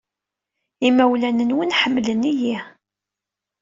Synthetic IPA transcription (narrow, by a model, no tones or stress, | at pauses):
imæwlænənwənħəmːləniji